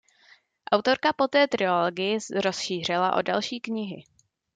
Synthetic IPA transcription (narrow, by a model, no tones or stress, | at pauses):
ʔawt̪o̞ɾkapo̞t̪ɛːt̪ɾɪoloɡɪjɪɾo̞sʃiːr̝ɪlaʔo̞̰dalʃiːkɲɪɦɪ̰